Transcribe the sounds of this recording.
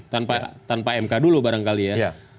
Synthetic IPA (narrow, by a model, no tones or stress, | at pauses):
t̪anpat̪anpaɛmkadulubaɾaŋkalijaj